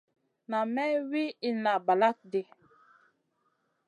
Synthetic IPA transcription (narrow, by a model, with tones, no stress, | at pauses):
na˨mɛ˦wi˦i˦na˨ba˨la˦k̚di˨